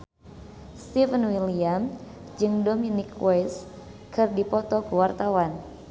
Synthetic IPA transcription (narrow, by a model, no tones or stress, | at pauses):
st̪ivənwiliam | d͡ʒɨŋdominikwɛs | kʰɨrdipɔt̪ɔkəwart̪awan